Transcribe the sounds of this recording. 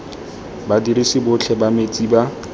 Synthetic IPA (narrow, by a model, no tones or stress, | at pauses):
badiɾisɪbʊt͡ɬʰɛbamet͡sʼiba